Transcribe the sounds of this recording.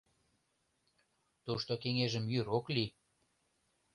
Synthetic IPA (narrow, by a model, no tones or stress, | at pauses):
t̪uʃt̪okeŋeʒə̆mjyɾokli